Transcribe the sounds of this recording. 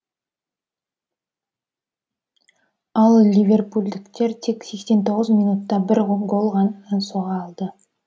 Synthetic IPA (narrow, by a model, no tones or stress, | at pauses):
ɑlˠlʲivʲe̞rpulʲd̪ɪkt̪e̞ɾt̪ʰe̞kse̞kse̞nt̪ʰo̞ʁəzmʲinut̪ːɑbɪɾɡo̞lˠʁɑnensoʁɑːlˠd̪ə